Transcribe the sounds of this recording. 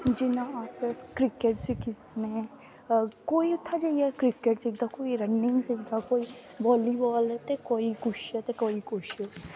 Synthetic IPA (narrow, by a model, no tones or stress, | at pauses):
d͡ʒɪnãaseskɾɪkeʈsikɪs | ne | koːiʊt̪ʰːad͡ʒaiakɾɪkeʈsik̚d̪akoːiɾɐnːɪ̃ŋɡsikd̪akoːi | ʋɔːlibɔːlɛt̪ekoːikʊʃet̪ekoːikʊʃe